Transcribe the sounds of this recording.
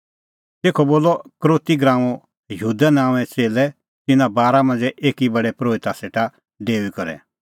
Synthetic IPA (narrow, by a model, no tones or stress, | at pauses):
t̪eːkʰɔboːlɔkɾoːt̪iɡɾãːɔ̃ | jəɦuːd̪anaːʋ̃ɛ̃t͡seːlɛ | t̪ɪnãbaːɾamɐ̃nd͡zɛʔeːkibɐɽɛpɾoːit̪aseːʈa | ɖeːuikɔɾɛ̰